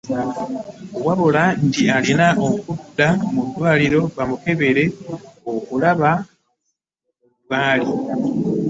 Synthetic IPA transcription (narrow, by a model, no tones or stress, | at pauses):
waβolantialinaʔokudːamudːwaːliɾo̞βamuke̞βeɾe̞okulaβa | βaːli